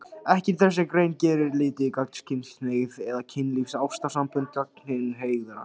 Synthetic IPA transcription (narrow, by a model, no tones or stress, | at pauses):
ɛhcɛɾt̪θɛ̥s̬ɛkɾejncɛːɾɪɾlɪːt̪ɪkak̚nscʰɪnsneɣvɛðacʰɪnːlifsawst̪asampʏnt̪̚cak̚nn̥ɪnɦeːjɣðʏɾa̰